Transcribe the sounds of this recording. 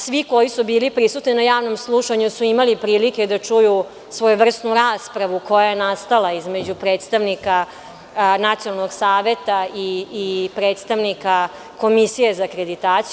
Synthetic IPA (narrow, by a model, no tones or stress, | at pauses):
sʋiko̞jisubiːlipɾisut̪ninajaːʋno̞mslˠuʃaɲusuimalipɾiːlike̞d̪at͡ʂuju | sʋo̞juʋr̩st̪nuɾaːspɾaʋukojaajenast̪alaizme̞d͡ʑupɾe̞ːt̪st̪aʋnika | nat̪sijonalno̞ɡsaːʋe̞t̪aiːpɾe̞ːt̪st̪aʋnika | ko̞misijezakɾe̞d̪it̪aːt̪s